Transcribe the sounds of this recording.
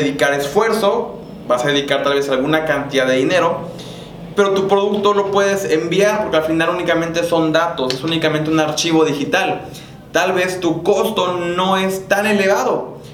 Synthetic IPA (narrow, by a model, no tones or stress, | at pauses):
eðikaɾesfwe̞ɾso̞ | basaðeðikaɾt̪alβ̞e̞salɣunakant̪iðaðeðine̞ɾo̞ | pe̞ɾot̪upɾoðukt̪o̞lo̞pweðesembjaɾpoɾkealfinalunikamẽnt̪eso̞nd̪at̪osesunikamẽnt̪eunaɾt͡ʃiβo̞ðixit̪al | t̪alβe̞st̪uko̞st̪o̞no̞est̪ane̞leβ̞aðo